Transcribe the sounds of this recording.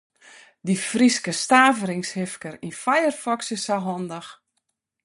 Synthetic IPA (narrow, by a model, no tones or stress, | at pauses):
difriskəstaːvəɾɪŋshɪfkəɾinfajərfɔksəsaɦɔndəx